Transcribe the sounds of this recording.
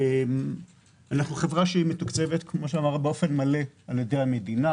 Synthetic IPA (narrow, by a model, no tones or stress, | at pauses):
em | anaχnuχe̞vʁaʃeimetukt͡se̞vet̪kmo̞ʃeamaʁabeo̞fe̞nmale̞aljedejame̞dina